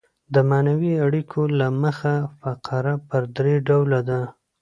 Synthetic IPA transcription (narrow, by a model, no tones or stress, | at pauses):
d̪əmɑnawiaɽikʰolaməxafaqɑɾapəɾd̪ɾeɖawlad̪a